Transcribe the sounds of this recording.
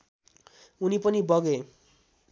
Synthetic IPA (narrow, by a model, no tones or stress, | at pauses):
unipʌnibʌɡe